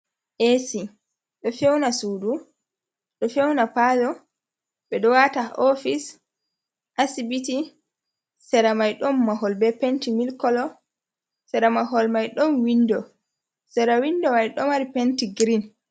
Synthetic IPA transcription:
ʔesi | ɗɔfɛwnasuːdu | ɗɔfɛwnapazɔ | ɓɛɗɔwataʔɔfis | ʔasibiti | sɛɾamajɗɔmːaɦɔlbɛpentimilkɔlɔ | sɛɾamaɦɔlmajɗɔnwindɔ | sɛɾawindɔmajɗɔmaɾipentiɡɾin

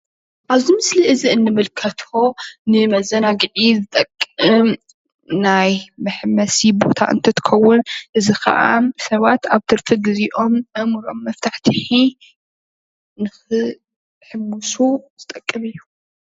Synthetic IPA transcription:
ʔaβzimɨsliʔɨziɨnːɨmɨlkʰɐt̪ʰo̞nɨmɐzɐnaɡɨʕizɨt̪ʼɐkʼːɨm | najmɐħmɐsibo̞̰t̪ʰa̰ʔɨ̰nt̪ʰɐt̪ʰɨ̥xɐwːʊnʔɨzikʰɐ̰ʔa̰sɐβat̪aβt̪ʰɨɾfʰɨɡɨziʔo̞mɐmɨɾo̞̰mːɐft̪ʰaħt̪ʰɨħi | nɨxɨ | ħɨmːusuz̥ɨt̪ʼɐkʼːɨmɨjːu

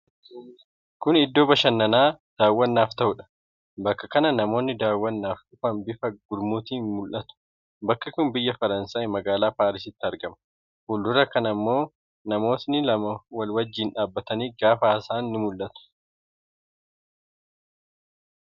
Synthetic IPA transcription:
kʊnɪd̪ːo̞ːbɐʃɐnːɐnaːd̪̥aːwːɐnːaːft̪ɐʔʊᶑɐ̥ | bɐkːɐkɐnɐnɐmo̞ːnːɪd̪aːwːɐnːaːfʔʊfɐmbɪfɐɡʊd̪muːt̪iːnmʊlʔɐt̪ʊ̥ | bɐkːɐkʊnbɪjːɐfɐɾɐnsaːjɪmɐɡaːlaːpaːɾɪs̬ɪt̪ːɪɐɾɡɐmɐ̥ | huːld̪ʊɾɐkɐnɐmːo̞ː | nɐmo̞ːt̪nɪlɐmɐwɐlwɐd͡ʒːiːnᶑaːbːɐt̪ɐniːɡaːfaːsaːnːɪmʊlʔɐt̪ʊ̥

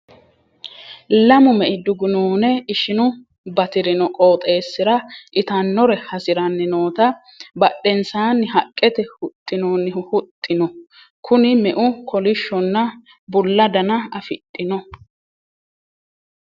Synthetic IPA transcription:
lɐmʊmɛʔɪd̪ʊɡʊnoːnɛɪʃɪnʊ | bɐt̪ɪɾɪnɔkʼo̞ːt̪ʼe̞ːsːɪɾɐʔɪt̪ɐnːɔɾɛhɐsɪɾɐnːɪnoːt̪ɐ | bɐɗːɛnsaːnːɪɦɐkʼːɛt̪ɛhʊt̪ʼːɪnoːnːɪhʊt̪ʼːɪnɔ | kʰʊnɪmɛʔʊkʰɔlɪʃːɔnːɐ | bʊlːɐd̪ɐnɐɐfɪt̪ʼːɪnɔ

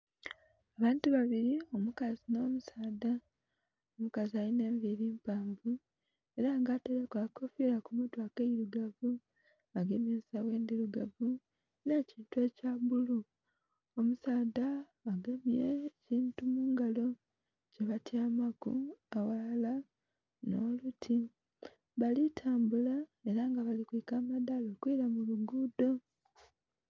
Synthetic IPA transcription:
aβaːntuβaβiɾio̞mukazino̞ːmusaːda | omukazialine̞ːɱviɾiːmpaːɱvu | e̞ɾaːŋɡaːteɾekwako̞fiɾakumutwaːkeiɾuɡavu | aɡemesawe̞ːnd̪iɾuɡavu | neciːntwecabulu | omusaːdaː | ɡemjeciːntumuːŋɡalo̞ | ceβatjaːmakṵawalala | no̞ːlutʰi | βalitʰaːmbulae̞ɾaŋɡaβalikwikaːmadalo̞kwiɾamuluɡuːdo̞

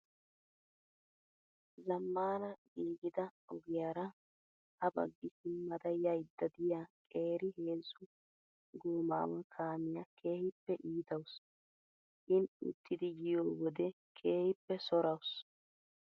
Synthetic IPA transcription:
zɐmːaːnɐɡiːɡɪd̪ɐɔɡɪjaːɾɐ | ʔɐbɐ̰ɡːɪsɪmːɐd̪ɐjɐjd̪ːɐd̪ɪjakʼe̞ːɾɪhe̞ːzʊ | ɡuːma̰ːwɐkʰaːmɪjakʰe̞ːhɪpːɛʔiːt̪ɐws | hɪnʊ̰t̪ːɪd̪ɪjɪjoːwɔd̪ɛ | kʰe̞ːhɪpːɛsɔɾɐws

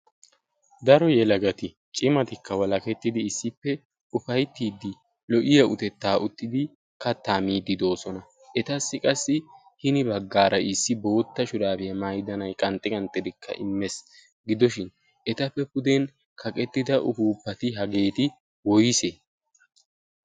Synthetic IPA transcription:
d̪ɐɾɔjɛlɐɡɐt̪ɪ | t͡ʃʼɪmɐt̪ɪkːɐwɐlɐkɛt̪ːɪd̪ɪːsːɪpːɛ | ʊfɐjt̪ːiːd̪ːɪ | lɔʔɪjɐʊt̪ɛt̪ːaːʔʊt̪ːɪd̪ɪ | kɐt̪ːaːmiːd̪ːɪd̪o̞ːsɔnɐ | ʔɛt̪ɐsːɪkʼɐsːɪ | hɪnɪbɐɡːaːɾɐʔɪsːɪbo̞ːt̪ːɐʃʊd̪aːbɪɐmajd̪ɐnɐjkʼɐnt̪ʼːɪkʼɐnt̪ʼːɪd̪ɪkʰːɐ̰ʔɪmːɛs | ɡɪd̪ɔʃɪn | ɛt̪ɐpːɛpʊd̪en | kʰɐkʼɛt̪ːɪd̪ɐʔʊfuːpːɐt̪ɪɦɐɡe̞ːt̪ɪ | wɔjɪse

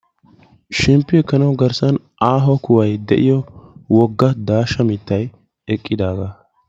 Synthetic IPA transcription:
ʃɛmpːɪɛkːɐnɐwɡɐɾsɐn | ʔaːɦɔkʊwɐjd̪ɛʔɪjɔwɔɡːɐd̪aːʃɐmɪt̪ːɐj | ɛkʼːɪd̪aːɡaː

